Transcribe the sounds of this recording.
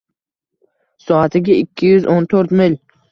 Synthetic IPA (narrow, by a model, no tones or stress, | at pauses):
sɒat̪ʰɪɡʲɪɪkʲʰːɪjʊzʔont̪ʰoɾt̪mɪl